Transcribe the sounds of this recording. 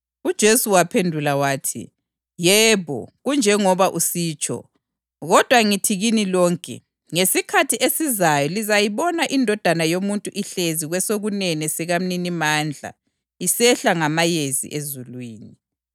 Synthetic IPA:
ud̥ʒ̥ʱesuwapʰendʱulawaːtʰḭ | jɛβɔ̰ɣund͡ʒʱɛŋɔβaʔusiːt͡ʃʼɔ̰ | ɣɔd̥ʱwaŋitʰiɣinilɔːŋkʼɛ̰ | ŋesikʰatʰiʔesizajɔlizajiβɔnaʔindʱɔd̥ʱanajomuntʼuʔiɬeziɣwɛsoɣunɛnɛsɛɣam̩ninimaːnd͡ɮʱa̰ | isɛɬaŋamajezḭʔezulwiːni

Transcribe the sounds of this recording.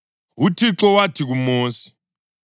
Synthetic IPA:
ɦutʰiǁɔwatʰiɣumoːsi̥

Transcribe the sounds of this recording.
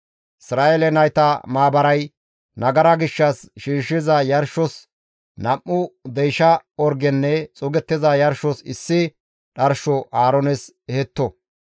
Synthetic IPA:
ʔɪsɾaːʔelɛnɐjt̪ɐmaːbɐɾɐj | nɐɡɐɾɐɡɪʃːɐsʃiːʃɪzɐjɐɾʃɔs | nɐmːʊd̪ɛjʃɐɔɾɡɛnːɛt͡sʼɔɡɛt̪ːɪzɐjɐɾʃɔsɪsːɪ | ɗɐɾʃɔʔaːɾɔnɛs | ɛhɛt̪ːɔ

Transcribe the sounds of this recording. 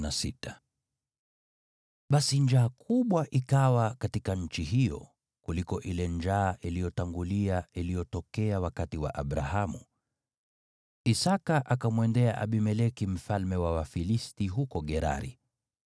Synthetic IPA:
nasḭtḁ | ɓasiɲd͡ʒaːkʰuɓwaʔikawakatikaɲ̩t͡ʃiɦijɔ̰ | kulikɔʔilɛnd͡ʒaːʔilijɔtaŋɡuliailijɔtɔkɛawakatiwa̰ʔaɓɾahamṵ | isakaʔakamwɛndɛaʔaɓimɛlɛkim̩falmɛwawafilistiɦukɔɠɛɾa̰ɾḭ

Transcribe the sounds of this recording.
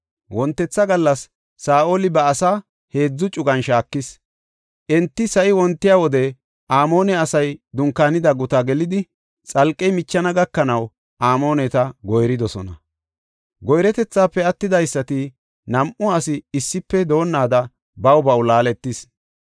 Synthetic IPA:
wɔnt̪ːɛt͡sːɐɡɐlːɐsː | aːʔolɪbɐːsaː | he̞ːd͡zːʊt͡ʃʼʊɡɐnʃaːkːɪs | ʔɛnt̪ːɪsɐʔɪwɔnt̪ːɪjawɔd̪ɛ | ʔaːmo̞ːnɛɐsɐjd̪ʊŋkːaːnɪd̪ɐɡʊt̪aɡɛlɪd̪ɪ | t͡sʼɐlkʼːɛmɪt͡ʃːɐnɐɡɐkːɐnɐw | ʔaːmo̞ːnɛt̪ɐɡɔjɾɪd̪ɔsɔ̰nɐ̰ | ɡɔjɾɛt̪ɛt͡sːaːpːɛɐt̪ːɪd̪ɐjsːɐt̪ɪ | nɐmʔʊɐsɪːsːɪpːɛd̪o̞ːnːaːd̪ɐ | bɐwbɐwlaːlɛt̪ːɪs

